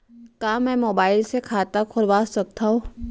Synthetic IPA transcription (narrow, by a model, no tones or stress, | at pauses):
kaːmɛ̃ːmoːbaːɪlsekʰaːt̪akʰʊɾbaːssɐk̚t̪ʰaɦoː